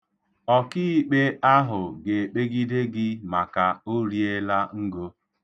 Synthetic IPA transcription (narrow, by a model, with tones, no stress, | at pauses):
ɔ˦kɪ˦i˦k͡pe˦a˦ɦʊ˨ɡe˨e˨k͡pe˦ɡi˦de˦ɡɪ˦ma˨ka˨o˦ɾi˦e˦la˦ŋ̩˦ɡo˦